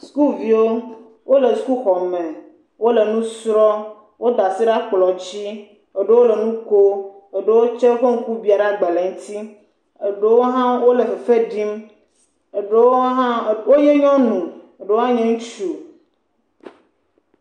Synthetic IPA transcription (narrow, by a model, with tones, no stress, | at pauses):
sku˦vi˨wo˦ | wo˦le˨sku˦xɔ˨mẽ˨ | wo˦le˨nũ˦sɾɔ˦ | wo˦d̪a˨si˦ɖa˦k͡plɔ˨d͡ʑi˦ | e˨ɖe˦wo˦le˨nũ˦ko˦e˨ɖe˦wo˦t͡ʃe˦ɣo˦ŋ̩˦ku˦bi˦a˨ɖa˨ɡ͡be˨le˨ŋ̩˦t̪i˦ | e˨ɖe˦wo˦ɦã˦wo˦le˨fe˨fe˦ɖi˦m˨ | ɖe˦wo˦ɦa˦wo˦je˦ɲɔ̃˦nũ˨ | e˨ɖe˨˦wo˦ã˦ɲẽ˦ŋũ˦t͡ʃu˨